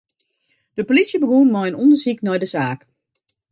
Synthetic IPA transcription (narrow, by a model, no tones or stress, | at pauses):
d̥əpolisjəbəɡunmɔjənɔndəsiknɔjdəzaːk